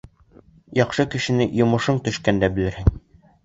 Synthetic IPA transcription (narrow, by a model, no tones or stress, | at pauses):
jɑqʃɤkɘ̆ʃɘ̆nɘjŏmɤ̆ʃɤɴt̪ɵ̆ʃkænd̪æbɘ̆lɘ̆ɾhɘŋ